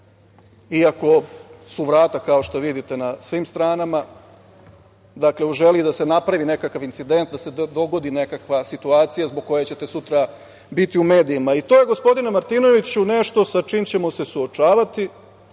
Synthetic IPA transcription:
iako̞suʋɾaːt̪akao̞ʃt̪oʋid̪it̪e̞nasʋimst̪ɾaːnama | d̪akle̞uʒe̞lid̪asenapɾaʋine̞kakaʋint̪sid̪e̞nt̪̚d̪ase̞d̪o̞ɡo̞d̪ine̞kakʋasit̪uaːt̪sijazboɡ̚ko̞jet͡ɕe̞t̪e̞sut̪ɾa | bit̪iume̞ːd̪iimait̪o̞ːje̞ɡo̞spo̞d̪inemaɾt̪ino̞ʋit͡ɕune̞ʃt̪o̞sat͡ʃiːmt͡ɕe̞mose̞suo̞t͡ʂaːʋat̪i

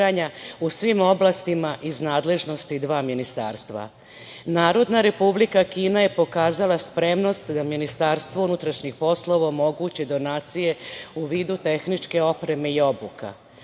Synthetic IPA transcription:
aɲausʋimo̞blast̪imaʔiznaːd̪le̞ʒno̞st̪id̪ʋaːminist̪a̰ːɾst̪ʋa̰ | naːɾo̞d̪naɾe̞publikakiːnaje̞po̞kaːzalaspɾe̞mno̞st̪d̪aminist̪aːɾst̪ʋounut̪ɾaʃɲixpo̞slˠo̞ʋaomo̞ɡut͡ɕid̪o̞naːt̪sije̞uʋiːd̪ut̪e̞xnit͡ʃke̞o̞pɾe̞me̞io̞buka̰

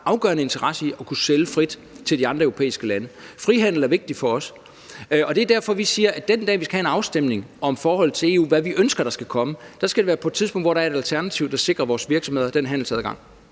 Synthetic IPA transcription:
ʔɑ̈ʊɡ̥ɶ̰ɐnəe̝nt͡sʰɐʁɑ̈səiɒ̽kʰuseləfʁid̥ | t͡sʰe̝ldiɑ̈nd̥ʁɐeʊo̝pʰḛːisɡ̥əlænəfʁiɦæn̰l̩æɐʋe̝ɡ̥̚d̥ifɒ̽ɒ̽s | ɒ̽d̥e̝æɐd̥æɐfɒ̽ʋisiːɐʔæd̥end̥ɛ̰ːʋiskɡ̥æhæenɑ̈ʊsd̥em̰ne̝ŋɒ̽mfɒːhɒ̽l̰̩ˠt͡sʰe̝e̝ːṵːʋæʋiʔønsɡ̥ɐɾ̥ɑ̈sɡ̥ækʰɒ̽məd̥ɑ̈sɡ̥æɾe̝ʋæːɐpʰɒ̽ed̥̚t͡sʰiðˠspɔ̽ŋ̰d̥ʋɒɾ̥ɑ̈ɐe̝ɾælt͡sʰæɐnæt͡sʰiʊd̥ɑ̈se̝ɡ̥ʁɐʋɒːsʋiɐɡ̥sɒ̽mhe̝ð̞̰ˠɐd̥enɦæn̰l̩sɛð̰ˠɡɑ̈ŋ̰

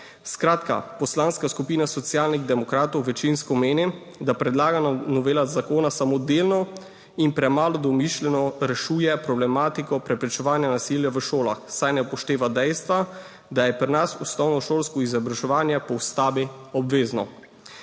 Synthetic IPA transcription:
skɾaːt̪ka̰pɔslanskaskupiːnasɔt̪sijaːlniɣd̪ɛmɔkɾaːt̪ɔwʋɛt͡ʃinskɔmeːni | d̪apɾɛd̪laːɡanɔʋeːlat̪zakoːnasamod̪eːlnɔ | inpɾɛmaːlɔd̪ɔmiʃlɛnɔɾɛʃuːjɛpɾɔblɛmaːt̪ikɔpɾɛpɾɛt͡ʃɛʋaːnjanasiljaʋəʃoːla̰xsajnɛpɔʃt̪eːʋad̪ɛjst̪ʋa | d̪ajɛpɾnasusnɔwnɔʃoːlskɔizabɾaʒɛʋaːnjɛpɔwst̪aːbiɔbʋeːznɔ

